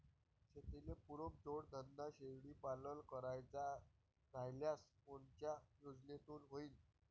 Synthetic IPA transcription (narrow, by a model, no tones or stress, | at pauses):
ɕet̪inepuɾop̚d͡zoɽd̪ʱənd̪aɕeʋɽiːpaləlkəɾajt͡sa | d͡zʱajljaspoɳt͡ɕjajod͡znet̪uːnɦoiːn